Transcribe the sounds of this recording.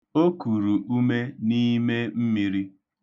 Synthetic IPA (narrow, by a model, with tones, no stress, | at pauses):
o˦ku˨ɾu˨ʔu˦me˦ni˦me˦m̩˦mi˨ɾi˦